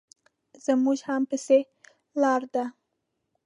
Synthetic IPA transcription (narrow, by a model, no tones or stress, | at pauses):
z̥əmuʒhampɪse | lɑɾd̪a